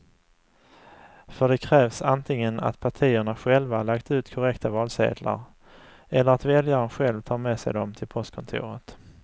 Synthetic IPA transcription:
fœɖɛkʰɾɛːvsant̪ʰɪŋːəna̰t̪pʰaʈʰiːəɳaɧɛlvalakt̪ʉ̟ːt̪kʰʊɾɛkt̪avɑːlsḛːd̪la̰ɾ | ɛlːəɾat̪vɛljaɾənɧɛlvt̪ʰɑːɾmɛːsɛ̰jd̪ɔmt̪ʰɪlpʰɔst̪̚kʰɔnt̪ʰṵːɾət̪

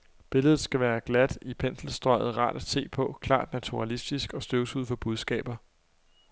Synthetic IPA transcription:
b̥e̝ləð̞̩ˠsɡ̥æʋæːɐɡ̥læd̥ipʰen̰sl̩sd̥ʁɒ̽ɪ̰ð̩ˠʁɑ̰̈ːd̥æ̥se̝̰ːpʰɒ̽kʰlɑ̰̈ːd̥næt͡sʰuʁɑlisd̥isɡ̥ɒ̽sd̥øʊsuð̰ˠfɒ̽b̥uð̞ˠsɡ̥ɛ̰ːb̥ɐ

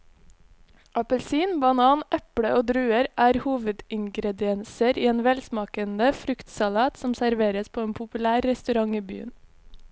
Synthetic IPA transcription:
ʔɑpəlsiːnbɑnɑːnʔɛpɽəʔoːd̪ɾʉːəɾʔæːɾhuːʋəd̪ɪŋɡɾɛd̪ɪɛnsəɾiːeːnʋɛlsmɑːkənəfɾʉkt̪sɑlɑːt̪sɔmsæɾʋeːɾəspʰoːeːnpʰʊpʉlæːɾːɛst̪ʉɾɑŋiːby̰ːə̰n

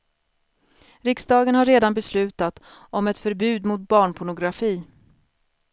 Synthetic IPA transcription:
ɾɪksd̪ɑːɡənhaɾeːd̪anbɛslʉ̟ːt̪at̪ | ʔɔmɛt̪fœɾbʉ̟ːd̪mʊt̪̚bɑːɳpʰʊɳʊɡɾafiː

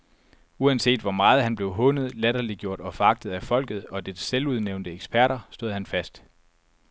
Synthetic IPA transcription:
uænse̝̰ːd̥ʋɒmɑ̈ːð̞̩ˠhænb̥le̝ʊɦɔ̽nð̞̩ˠlæɾɐliɡ̥jo̝ɐ̰d̥ɒ̽fɒ̽ɑ̈ɡ̥̚d̥ð̩ˠæfɒ̽l̰ɡ̥ð̩ˠɒ̽d̥edseluð̞ˠneʊnd̥əeɡ̥sb̥ʰæɐɾ̥ɐsd̥o̝ð̰ˠhænfæsd̥

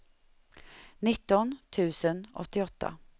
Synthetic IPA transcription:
nɪt̪ːɔnt̪ʰʉ̟ːsənʔɔ̰t̪ːɪɔt̪ʰːa̰

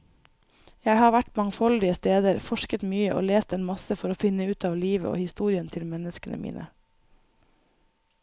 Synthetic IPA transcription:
jæɪhɑːʋæʈmɑŋfɔld̪ɪəst̪eːd̪əɾfɔʃkət̪myːəʔo̰ːleːst̪eːnmɑsəfɔɾoːfɪnəʉːt̪ʰɑːʋliːʋə̰o̰ːhɪst̪uːɾɪənt̪ʰɪlmɛnəskənʔə̰mḭːnʔə̰

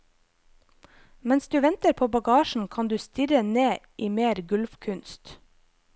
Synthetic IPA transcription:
mɛnsd̪ʉːʋɛnt̪əɾpʰoːbɑɡɑːʃɳ̩kʰɑnd̪ʉːst̪ɪɾəneːʔiːmeːɾɡʉlfkʰʉnst̪

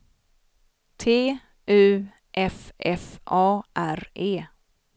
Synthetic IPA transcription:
t̪ʰeː | ʔʉ̟ː | ʔɛfɛfʔɑːʔæɾeː

